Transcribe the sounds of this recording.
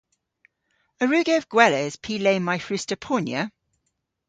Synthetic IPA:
əɹʉːɡəəvɡ̥wɛləɪz̥pʰiːleɪmaɪfɹʉˑstəpʰɔːnjə

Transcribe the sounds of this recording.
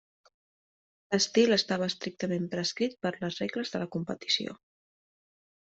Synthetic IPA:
ləst̪iləst̪aβ̞əːst̪ɾik̚t̪əmempɾəskɾit̪̚pəɾləzrekləzðələkumpət̪i̥sio̰

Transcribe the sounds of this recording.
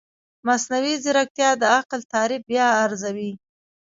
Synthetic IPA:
masnawizɪɾak̚t̪jɑd̪əaqlt̪ɑɾɪb̚bjɑːɾzawi

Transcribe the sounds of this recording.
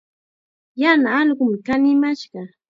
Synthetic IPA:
janaːʎɢʊmɪkanɪmaʃɢɑ

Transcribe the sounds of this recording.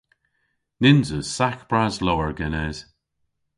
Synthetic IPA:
nɪnzəsakb̥ɹazlɔwəɹɡɛnɛz̥

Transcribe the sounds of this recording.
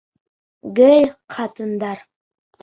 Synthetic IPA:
ɡɘlʲqʰɑt̪ə̆nd̪ɑɾ

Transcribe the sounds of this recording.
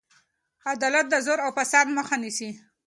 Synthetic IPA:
ad̪ɑlat̪̚d̪əzoɾawpasanməxanisi

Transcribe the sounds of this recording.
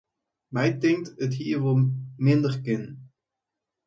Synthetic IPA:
mɛjtɪŋtətɦiːɹʋɔlˠmɪndərkɪn

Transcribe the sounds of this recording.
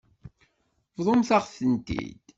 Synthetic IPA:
vðˤomθaʁθənt̪ḭd̪̥

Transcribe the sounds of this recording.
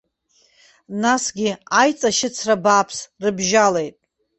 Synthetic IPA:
nasɡʲiajt͡sʼaʃɪt͡sʰrabaːpʰsrɨbʒale̞jtʼ

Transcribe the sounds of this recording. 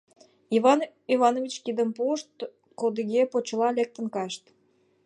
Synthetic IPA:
ivɑ | ivɑnovʲit͡ɕkid̪əmpoʃt̪ | kod̪iɣepot͡ɕəlɑlek̚t̪ə̆nkɑʃt̪

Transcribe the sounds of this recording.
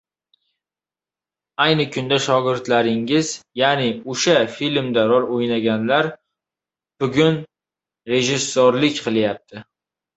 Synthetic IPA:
ajnɪkʰʊnd̪aʃɒɡʲɪɾt̪laɾɪŋɪzjanɪʊʃafilmd̪aɾɒɾojnaɡʲanlaɾ | b̥ʊɡʲʊn | ɾe̞ʒɪsːoɾlɪkʲqʰɨlˠjap̚t̪ʰɪ

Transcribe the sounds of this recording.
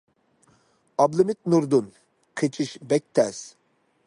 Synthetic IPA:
ɑblˠɨmɪt̪̚nuɾd̪un | qʰet͡ʃʰiʃbɛk̚ʲt̪ʰɛs

